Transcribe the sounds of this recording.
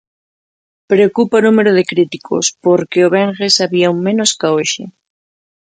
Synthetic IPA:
pɾeokupaonumeɾoð̞ekɾit̪ikʰo̰spoɾkeoβ̞eŋɣesaβiauŋmẽnoskaoʃḛ

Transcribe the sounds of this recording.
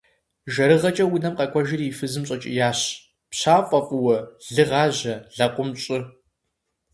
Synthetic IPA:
ʒɐɾɨʁɐt͡ʃʼɐwʊnɐmqʼɐkʷʰʼɔʒɪrifɨzɨmɕʼɐt͡ʃʼɪ̰jaːɕ | pɕaːqʷʼɐqʷʼʊwɐɮɨʁɑːʑɐɮɐqʷʼʊmɕʼɪ

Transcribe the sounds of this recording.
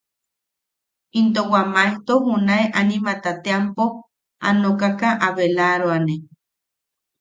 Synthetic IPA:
int̪owamajt̪oɦunaeʔanĩmat̪at̪eampo | a̰nokakaʔaβelaɾoane

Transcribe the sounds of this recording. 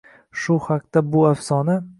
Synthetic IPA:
ʃʊhaq̚t̪abʊafsɒna

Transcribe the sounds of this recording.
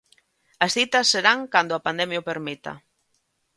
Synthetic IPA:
ɐsθit̪ɐsːeɾaŋkand̪ʊapand̪ɛmjʊpeɾmit̪ɐ̰

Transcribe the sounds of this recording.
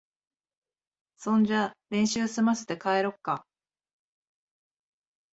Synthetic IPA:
sõ̞ɲ̟d͡ʑaɾẽ̞ɰ̃ɕɨːsɨmasɨ̥t̪e̞kae̞ɾo̞kːa

